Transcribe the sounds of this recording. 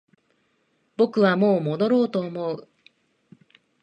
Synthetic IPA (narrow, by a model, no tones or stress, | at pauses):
b̥o̞kɯ̟βamo̞ːmo̞d̪o̞ɾo̞ːt̪o̞ːmo̞ɯ